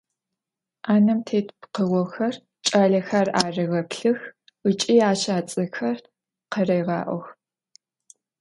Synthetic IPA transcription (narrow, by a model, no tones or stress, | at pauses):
aːnɐmtʰeːtpqəɣʷɔxɐr | t͡ʃʼaːɮɐxaːraːrɨɣɐpɬɨx | ət͡ʃʼiːaːʃaːt͡sʼɐxɐr | qɐrɐjʁɑ̰ːʔʷɔ̰x